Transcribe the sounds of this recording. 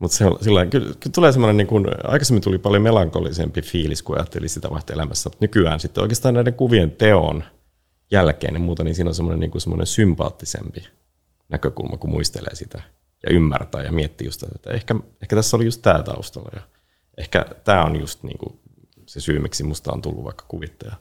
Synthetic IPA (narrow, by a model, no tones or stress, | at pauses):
mut̪seolsilːɑiŋkylkylt̪uleːsemːonenniːŋkunɑ̰ikɑsemːint̪ulipɑljomelɑŋkolisempifiːliskuɑ̰jɑt̪ːelisit̪æʋɑiht̪eelæmæsːæmut̪nykyæːnsit̪ːeo̰kˑeːst̪ɑːnæiɾeŋkuʋient̪eo̰n | jælkḛːnemmuːt̪ɑniːnsiːnolnsemːoneniːŋkunsemːo̰nʔḛnsympɑ̰ːt̪ːisḛmpi | nækøkṵlmʔɑkumṵist̪elḛːsit̪æ | jɑ̰ʔymːært̪æːjɑmiet̪ːijṵst̪æ̰t̪ːḛt̪ːæ̰ehkæehkæt̪æsːolijust̪t̪æːt̪ɑ̰ust̪olːɑ̰jɑ | ʔehkæ̰t̪æːonjust̪nḭːŋkṵ | sesyːmæksimust̪ɑ̰o̰nt̪ulːṵʋɑ̰ikːɑ̥kuʋit̪ːɑjɑ